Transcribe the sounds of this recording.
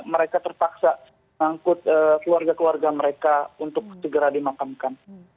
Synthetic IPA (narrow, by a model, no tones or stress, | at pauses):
məɾekat̪ərpaksa | ŋaŋkʊt̪̚əːkəluarɡakəluarɡaməɾekaunt̪ʊk̚səɡəɾadimakamkan